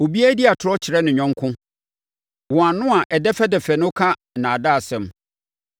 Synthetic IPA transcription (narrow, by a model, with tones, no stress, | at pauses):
o˨bi˦æ˦di˦a˨tʰʊ˨ɾɔ˦t͡ɕʰɪ˨ɾɛ˦nɪ̃˨ɲᶣɔ̃˦ŋkʰʊ̃˦ | wɔ̃˨a˨nʊ̃˦a˨ʔɛ˨dɛ˦fɛ˦dɛ˨fɛ˨nʊ̃˦kʰa˦ | nã˨da˦˨sɛ̃˨m